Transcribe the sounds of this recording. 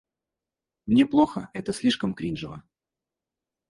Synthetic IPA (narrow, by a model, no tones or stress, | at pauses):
mnʲeplˠoxəɛt̪əsʲlʲiʂkəmkɾʲinʐɨvə